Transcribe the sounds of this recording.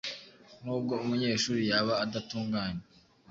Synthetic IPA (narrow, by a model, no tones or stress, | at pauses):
nuːb̚ɡo̞umuɲe̞ːʃuːɾijaβaːdatuːŋɡaːɲe